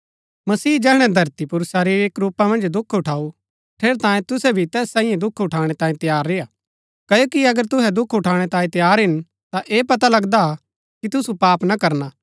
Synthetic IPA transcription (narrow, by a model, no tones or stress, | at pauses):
mɐsiːd͡ʒɛːɦɽ̃ɛd̪ʱɐɾt̪ipʊɾsaɾieːkɾuːpamɐ̃nd͡ʒd̪ʊkʰːʊʈʰaːu | ʈʰeːɾt̪ãːjẽt̪ʊsɛbʱit̪ɛːsːãːĩjẽd̪ʊkʰʊʈʰaːɽ̃ɛt̪ãːĩt̪ɐjaːɾːea | kɐjoːkiɐɡəɾt̪ʊɦɛd̪ʊkʰʊʈʰaːɽ̃ɛt̪ãːĩt̪ɐjaːɾɦɪn | t̪aʔeːpɐt̪alɐɡd̪aa | kit̪ʊsupaːpnakɐɾnaː